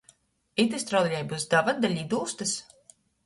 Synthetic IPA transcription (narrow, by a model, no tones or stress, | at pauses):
it̪ist̪ɾawd̪iʎʲajbusd̪avad̪alʲid̪uːst̪ɨs